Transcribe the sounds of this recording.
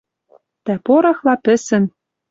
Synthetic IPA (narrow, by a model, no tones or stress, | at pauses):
t̪æpoɾɑxlˠɑpɘ̆sɘ̆n